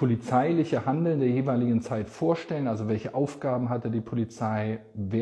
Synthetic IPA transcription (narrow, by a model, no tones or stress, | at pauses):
pʰolit͡saɪlɪçəhandl̩ndeːɐjeːvaɪlɪɡŋ̩t͡saɪtfoːɐʃtɛlənʔalzovɛlçəʔaʊfɡ̥aːbm̩ɦatədiːpʰolit͡saɪ | veː